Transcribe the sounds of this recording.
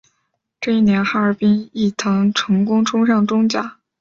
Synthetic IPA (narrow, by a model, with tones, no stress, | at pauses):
ʈ͡ʂɤ˥˧i˥˩njɛ˧˥nxa˥ə˞˧˥pi˥ni˥˩t̪ʰɤ˧˥ŋʈ͡ʂʰɤ˧˥ŋkʊ˥ŋʈ͡ʂʰʊ˥ŋʂɑ˥˩ŋʈ͡ʂʊ˥ŋt͡ɕja˥˩